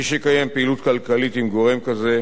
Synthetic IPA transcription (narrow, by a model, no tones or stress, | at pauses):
iʃekajempeːlut̪kalkalit̪imɡo̞ʁe̞mkaze̞